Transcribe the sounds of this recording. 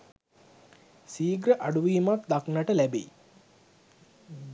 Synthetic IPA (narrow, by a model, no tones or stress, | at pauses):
siːɡɾəʔaɖuʋiːmat̪d̪aknaʈəlæbḛi